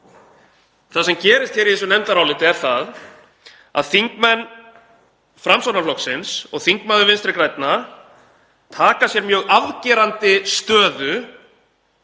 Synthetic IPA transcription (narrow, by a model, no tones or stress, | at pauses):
θasɛmcɛːɾɪst̪çɛɾiθɛs̬ʏnɛmt̪aɾaːwlɪːt̪ɪɛɾ̥θað | a̰ðθiŋkmɛnː | fɾamsɔnaflɔksɪnsɔɣθiŋkmaðʏvɪnst̪ɾɪkɾajt̪na | t̪ʰaːkasjɛɾmjœːɣaðcɛːɾant̪ɪst̪œːðʏ